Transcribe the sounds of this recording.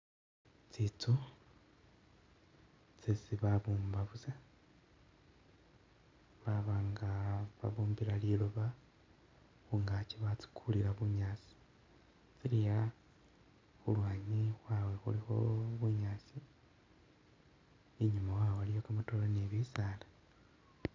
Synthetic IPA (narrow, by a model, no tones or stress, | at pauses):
t͡sit͡su | t͡sesiβaβuːmbaβuza | βaβaːŋɡaβa̰βuːmbiɾaliluβa | xuŋɡaciβat͡si̥kʰuliɾaβuɲaːt͡si̥ | t͡silija | xulwaːɲixwawe̞xṵlixo̞βuɲaːt͡si | eɲumawawalijokamatoːlaneβiːsaːla